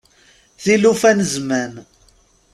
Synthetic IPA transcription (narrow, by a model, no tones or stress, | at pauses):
θilufænəzmæn